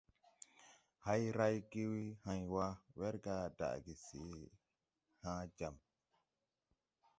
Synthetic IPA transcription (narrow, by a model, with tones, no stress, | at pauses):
ha˦jɾa˦jki˦wi˦hã˨jwa˦wɛ˦ɾɡa˦da̰˨ɡi˨sḭ˨˦ | hãː˦d͡ʒa˨m